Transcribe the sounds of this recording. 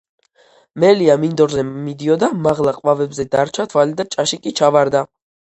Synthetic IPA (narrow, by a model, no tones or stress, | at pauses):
mɛliamind̪ɔɾzɛmid̪iɔd̪amaʁlˠaqʼvavɛbzɛd̪aɾt͡ʃʰat̪ʰvalid̪at͡ʃʼaʃikʼit͡ʃʰavaɾd̪a